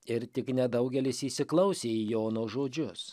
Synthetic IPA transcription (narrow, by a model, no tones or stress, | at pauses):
ɪɾt̪ʲɪknʲɛd̪ɐʊɡʲɛlʲɪsiːsʲɪklˠɐʊsʲeːijoːnoːʒoːd͡ʒʲʊs